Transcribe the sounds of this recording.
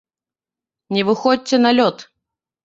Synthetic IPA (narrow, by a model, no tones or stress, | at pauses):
nʲɪvɨxɔt͡sʲːɛnɐlʲɔt̪